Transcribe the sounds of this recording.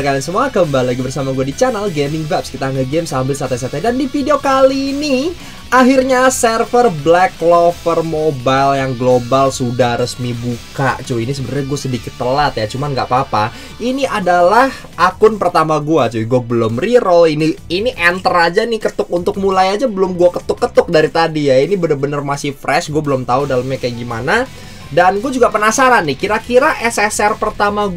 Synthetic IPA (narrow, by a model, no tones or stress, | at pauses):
kalansəmuakəmbaliaɡibərsamaɡuadit͡ʃanalɡemɪŋvapskit̪aŋɡaɡɛmsambɪlsat̪ɛsat̪ɛdandifideokaliːni | ʔaɦirɲasɛrfərblɛklofərmobaljaŋɡlobalsudahrəsmibuka̰ʔt͡ʃʊinisəbəɾarɲaɡuasədikɪt̪ːəlat̪jat͡ʃumanɡa̰ʔpapa | iniʔadalah | ʔakʊnpərt̪amaɡuat͡ʃʊɡuabəlʊmriɾoliniiniʔɛnt̪ərad͡ʒanɪkət̪ʊk̚unt̪ʊk̚mulajad͡ʒabəlʊmɡuakət̪ʊkːət̪ʊk̚daɾit̪adijainibənərbənərmasɪfɾɛsɡuabəlʊmt̪audaləmjakajaɡimana | danɡuad͡ʒuɡapənasaɾanːɪhkiɾakiɾaʔɛsɛsɛrpərt̪amaɡ